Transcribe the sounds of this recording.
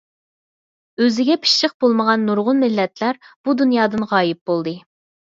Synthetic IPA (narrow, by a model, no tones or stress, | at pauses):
øzɪɡʲɛpʰi̥ʃʃəq̚bolˠməʁɑnːuɾʁʊnmɪlːɛt̪ʰlæɾb̥ud̪unjɑːd̪ɨnʁɑːjɪp̚bolˠd̪ɨ